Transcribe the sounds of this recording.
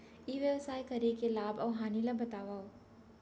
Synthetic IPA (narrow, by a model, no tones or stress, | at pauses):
iʋjəʋsaːikɐɾekelaːbɔːɦaːnilabɐt̪aːʋaː